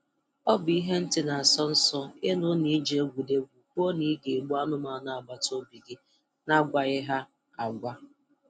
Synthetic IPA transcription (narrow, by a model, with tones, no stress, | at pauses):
ɔ˦bi˦ɦe˦n̩˦tɪ˨na˨a˨sɔ˦n̩˦sɔ˦ɪ˦nʊ˦ni˦d͡ʒe˨e˦ɡʷu˨de˦ɡʷu˨k͡po˦ni˦ɡe˨ɡ͡bu˦a˦nʊ˦ma˨˦na˨a˨ɡ͡ba˨to˦bi˨ɡɪ˦ | na˦ɡʷa˨ɣɪ˦ɦa˦ | a˨ɡʷa˦